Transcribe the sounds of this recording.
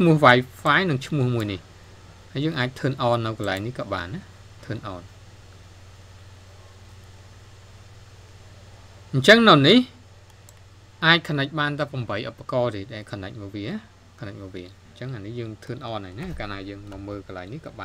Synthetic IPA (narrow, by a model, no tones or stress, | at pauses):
t͡ɕʰmuəhʋaːjfaɛnɨŋt͡ɕʰmʊ̆əhmuəjnih | hajəːŋʔaːc̚t̪ʰəːnʔɑːnːɨwkɑlaɛŋnihkɑːɓa̰ːnːa | t̪ʰəːnʔɑːn | ɲt͡ɕəŋnɨwnih | ʔaːc̚kʰənəc̚ɓaːnt̪aːpɑmɓəjʔopːakɑːt̪eːɗaɛlkʰɑnac̚mɔːʋiəna | kʰənəc̚mɔːʋiənɲt͡ɕəŋʔaːnihjəːŋt̪ʰəːnʔɑːnaːjnakaːnaːjəːŋmɑməːlkɑlaɛŋnihkɑːɓaːn